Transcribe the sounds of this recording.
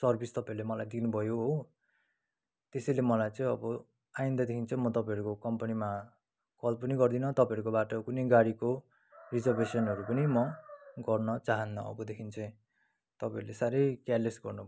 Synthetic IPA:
sʌrbʱist̪ʌpãjɾlemʌlajd̪inubʱʌjoɦo | t̪esʌjlemʌlajt͡sʌĩʌbʌ | ajĩnd̪ʌd̪ekʰint͡sʰʌ̃mʌt̪ʌpãjɦʌɾukokʌmpʌnima | kʌlpʌniɡʌrd̪inʌt̪ʌpãjʌɾukobaʈʌkunejɡaɽiko | rid͡zʌrbesʌnɦʌɾupʌnimʌɡʌrnʌt͡saɦʌnːʌʌ̰bʌd̪ekʰint͡sʌĩ | t̪ʌpãjʌɾulesaɾʌjkjalesɡʌrnubʱ

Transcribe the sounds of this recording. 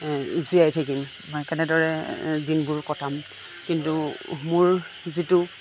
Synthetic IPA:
ziajtʰakim | mɔjkɛnɛdɔɹɛdinbʊɹkɔtʰam | kintumʊɹ | zitu

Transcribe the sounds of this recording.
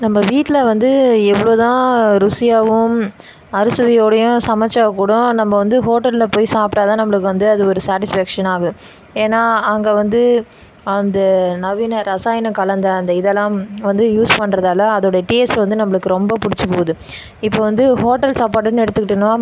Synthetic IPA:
nɐmːɐʋiːʈːɪlɐʋɐnd̪ɯɛʋːɐɭoːt̪ãːɾʊsɪjaːʋɯm | ɐɾɯsɯʋɪjoːɽɐjʊ̃sɐmɐt͡ʃːaːɐkːuːɽʊ̃nɐmːɐʋɐnd̪ɯɦoːʈːɐllɐpoːjisaːpɪʈaːt̪ãːnɐmːɐɭɯk̬ːɯʋɐnd̪ɯɐðɯɔɾɯsaːʈɪsfæːkʂɐnaːɣɐɯ̃ | eːnːaːɐŋɡeːʋɐnd̪ɯ | ɐnd̪ɐnɐʋɪnɐɾɐsaːjɐnɐkɐlɐnd̪ɐɐnd̪ɐɪðɛlːãːmʋɐnd̪ɯjuːspɐɳːɾɐðaːlɐːðoːɽɐjɐʈiːɛsʋɐnd̪ɯnɐmːɐɭɯkːɯɾɔmbɐpʊɽɪt͡ʃːɯpoːɐðɯ | ɪpːoːʋɐnd̪ɯɦoːʈːɐlsaːpaːʈ̬ːɯnːɛɽɯt̪ːɯkːɪʈːɪɳː

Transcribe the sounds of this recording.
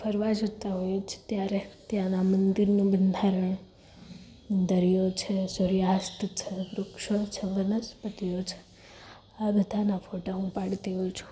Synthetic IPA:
fʰəɾʋad͡ʒot̪aɦojet͡ʃʰe̥t̪jaɾet̪jãnamənd̪iɾnũbənd̪ʱaɾəɳ | d̪əɾijot͡ʃʰesoɾijast̪ʰt͡ʃʰeʋɾʊkʃot͡ʃʰeʋənəspət̪ijot͡ʃʰe̥ | abəd̪ʱanafʰoʈaɦũpaɽt̪iɦojit͡ʃʰu̥

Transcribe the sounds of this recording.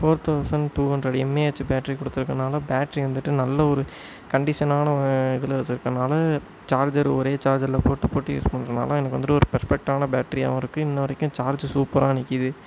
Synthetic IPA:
foːɾt̪ʰɐʊsɐɳɖʈuːɐndɾɐɽɛmːeːɛt͡ʃːbaːʈːɐɾikɔɽɯt̪ːɯɾɯkːɐnaːlɐbaːʈːɐɾiʋɐnd̪ɯʈːɯnɐlːɐɔɾɯ | kɐɳɖɪʂɐnaːnɐɪðɯlɐʋɐt͡ʃːɪɾɯkːɐnaːlɐ | t͡ʃaːɾd͡ʒɐɾɔɾeːt͡ʃaːɾd͡ʒɐɾlɐpoːʈːɯpoːʈːɯḛsɯpːɐɳɾɐna̰ːlɐ̃ɛnɐkːɯʋɐnd̪ɯɾɯɔɾɯpɐɾfɛk̚ʈaːnɐbaːʈːɐɾia̰ʋɐ̃ɪɾɯkːɯ̃ɪnːɐʋɐɾɐkʲːʊ̃t͡ʃaːɾd͡ʒsuːpɐɾaːnɪkːɪðɯ

